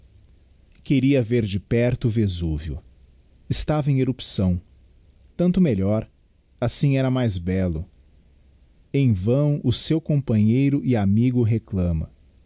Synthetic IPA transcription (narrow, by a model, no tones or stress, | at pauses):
keɾiɐveɾd͡ʒɪpɛɾt̪ʊvezuvjʊ̰ | ɪst̪avɐẽj̃eɾupsɐ̃w̃ | t̪ɐ̃nt̪ʊmeʎɔɾ | asĩɛɾɐmajzbɛlʊ | ẽj̃vɐ̃w̃ʊsewkõpɐ̃ɲejɾʊʔɪamiɡʊɦeklɐ̃mɐ̰